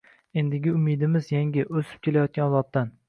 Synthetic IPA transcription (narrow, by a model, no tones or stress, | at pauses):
e̞nd̪ɪɡʲɪʊmid̪ɪmɪzjaŋʲɪʔɵsɪ̥p̚kʰʲelajɒt̪̚kʲanlˠɒp̚t̪an